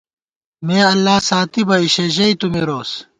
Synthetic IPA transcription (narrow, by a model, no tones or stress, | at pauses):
meːɐlːaːsaːt̪ibɐiɕeʑɐit̪umeɾoːs